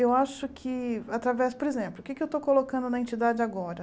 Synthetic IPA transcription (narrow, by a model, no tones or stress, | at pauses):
ewaʃʊkʰɪat̪ɾavɛspoɾezẽmplˠʊkɪkɪewt̪okolokɐ̃nd̪ʊnɐẽnt͡ʃid̪ad͡ʒɪaɡɔɾɐ